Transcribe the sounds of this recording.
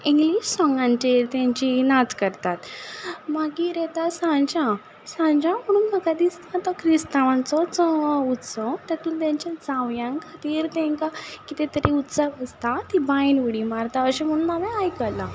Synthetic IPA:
ĩŋɡliɕsɔ̃ŋɡãɲt͡ɕeɾt̪jãɲt͡ɕinat͡skəɾt̪at̪maɡiɾɛt̪asãɲd͡ʑã | sãɲd͡ʑãm̤əɽ̃uːnməɡad̪ist̪at̪akʰɾist̪aʋãnt͡sɔt͡sɔut̪sɔt̪at̪uːnt̪jãɲt͡ɕjãd͡zaʋjãŋkʰat̪iːɾt̪ɛ̃ŋkakit̪ẽt̪əɾiut̪saʋəst̪at̪ibãjnuɽimaɾt̪aəɕẽm̤əɽ̃ũːnaʋɛ̃ajkəla

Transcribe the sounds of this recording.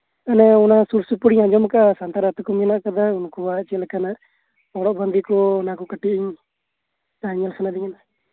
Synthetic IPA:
anɛɔnasuɾsupuɽiɲaɲd͡ʒɔmkaʔasant̪aɾat̪ɔkɔmnaʔkad̪aunkɔbat͡ʃɛlɛkana | ɔɽɔʔband̪ikɔnakɔkəʈːiiɲ | aɲalsʰanad̪iɲana

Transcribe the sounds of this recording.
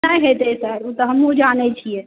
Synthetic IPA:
ajɦet̪esəɾut̪ɔɦəmud͡ʒanɛt͡ʃʰijɛ

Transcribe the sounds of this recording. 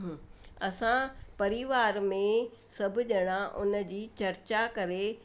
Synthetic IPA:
ɐsãpɐɾiʋaːɾmẽ | sɐbʱʊʄɐɽ̃ãʔʊ̰nəd͡ʑiːt͡ɕɐɾt͡ɕakɐɾe

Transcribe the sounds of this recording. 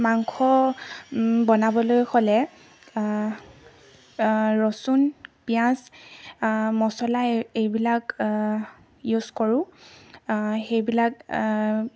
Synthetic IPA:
maŋkʰɔ | bɔnabɔlojxʰɔlɛ | ɹɔsunpijãs | mɔsɔlaejbilak | juskoɹʊ̃ | xejbilak

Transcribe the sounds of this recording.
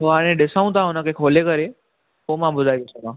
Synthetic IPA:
oɦaːɽ̃ẽɗɪsaːũt̪ʰãɦʊnəkekʰoːlekəɾe | poːmãɓʊd̪ʱaːiʋɪsomãː

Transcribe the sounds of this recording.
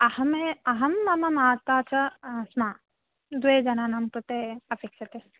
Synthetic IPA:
ɐhɐmeɐɦɐmːɐmɐmaːt̪ːaːt͡ʃɐsmaː | d̪ued͡ʒɐnaːnɐmkut̪eɐpekʃɐt̪e

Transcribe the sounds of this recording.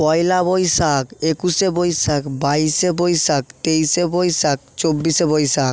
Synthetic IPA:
pɔjlabojsakekusebojsakbaisebojsakt̪ejsebojsak̚t͡ɕobːisebojsak̚

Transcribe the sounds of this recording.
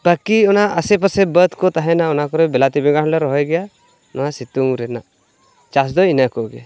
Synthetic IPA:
bakiɔnaʔəsɛp̬əsɛbət̪ʰkɔt̪aɦɛnaɔnakɔɾɔbɛlat̪ibɛŋɡaɽ̃lɔɾɔɦɔɡɛja | nɔɦasit̪uŋɾɛna | t͡ʃasd̪ɔinakɔɡɛja

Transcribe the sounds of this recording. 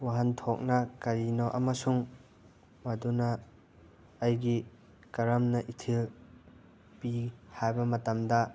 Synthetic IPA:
waɦɐntʰok̚nɐkɐɾinoʔɐ̰mɐsuŋ | mɐdunɐ | jɡi | kɐɾɐmnɐʔitʰil | pihajbɐmɐtɐmdɐ

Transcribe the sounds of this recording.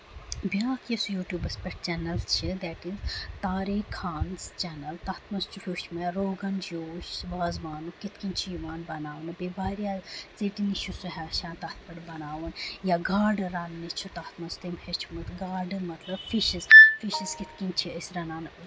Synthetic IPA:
biaːkesujuːʈjuːbɐspeʈ̚t͡ʃɛːnɐlt͡ʃʰid̪ɛʈizt̪aːɾekʰaːnzt͡ʃɛːnɐlt̪aːt̪ʰmɐnst͡ʃʰuhʲuːʃmɐɾoːɡɐnd͡ʒoːʃʋaːzʋaːnukit̪ʰkint͡ʃʰijuʋaːnbɐnaːʋnɨbeːbaːɾijaːt͡seʈiniʃʰusuɦaːʃãːnt̪aːt̪̚ʰpɐɽbɐnaːʋɐnjaːɡaːɾɖɨɾaːnːit͡ʃʰut̪aːt̪ʰmɐnst̪imhet͡ʃʰumɨt̪ɡaːɾɖɨmɐt̪lɐbfiʃizfiʃizkit̪ʰkint͡ʃʰiəsɾɐnaːn

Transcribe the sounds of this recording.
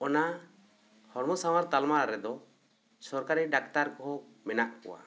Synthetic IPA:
ɔna | hɔɾmɔsawaɾt̪almaɾɾɛd̪ɔ | sɔɾkaɾiɖakt̪aɾkɔɦɔ | mɛnaʔkɔ̰wa̰

